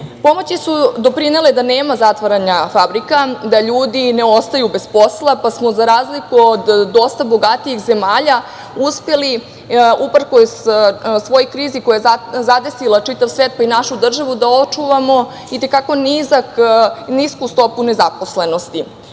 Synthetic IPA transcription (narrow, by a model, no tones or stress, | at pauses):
po̞mo̞t͡ɕisud̪o̞pɾine̞led̪aneːmazat̪ʋaɾaɲafabɾikad̪aʎuːd̪ine̞ost̪ajube̞spo̞slˠapasmo̞zaɾaːzlikuod̪ːo̞st̪abo̞ɡat̪iixze̞maːʎa | uspe̞li | upr̩ko̞ssʋo̞jokɾiːzikojazad̪e̞silat͡ʃit̪aʋsʋeːt̪̚painaʃud̪r̩ʒaʋud̪ao̞t͡ʃuʋamo̞ | it̪e̞kako̞nizakniskust̪o̞pune̞zaposle̞no̞st̪i